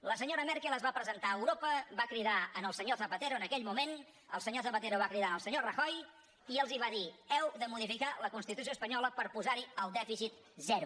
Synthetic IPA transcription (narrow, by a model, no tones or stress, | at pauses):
ləsəɲoɾəmɛɾkɛlˠəzβapɾəzənt̪aəwɾopəβakɾiðaənəlˠsəɲoθəpət̪eɾuənəkɛʎmumen | ə̰lˠsəɲoθəpət̪eɾuβakɾiðaənəlˠsəɲorəxɔj | iəlˠziβ̞aðiɛwðəmuðifikaləkunst̪it̪us̬ioəspəɲɔləpəɾpuzaɾiəlˠd̪ɛfisit̪̚ | zɛɾu